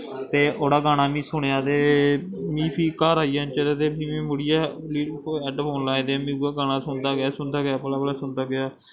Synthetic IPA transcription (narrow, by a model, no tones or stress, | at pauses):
t̪eːʔoːɽaːɡaːñaːmĩːsʊɳeaːt̪eː | mĩːpʰiːkaːɾaːijãːnt͡ʃəɾet̪eːpʰiːmĩːmʊɽɪjaːliːɛːɖpʰoːnlaːĩd̪emĩːaːɡaːnãːsʊnd̪aːɡɪaːsʊnd̪aːɡɪjaːpəlaːbəlaːsʊnd̪aːɡɪjaː